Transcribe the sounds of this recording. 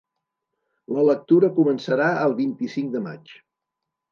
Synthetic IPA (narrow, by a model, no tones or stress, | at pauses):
lələk̚t̪uɾəkumənsəɾaəlˠβint̪isiŋk̚d̪əma̰t͡ʃ